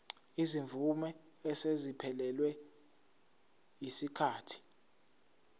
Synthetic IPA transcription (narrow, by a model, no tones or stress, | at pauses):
iziɱvumɛː | sezipʰɛlɛlwɛ | jisikʰaːtʰi̥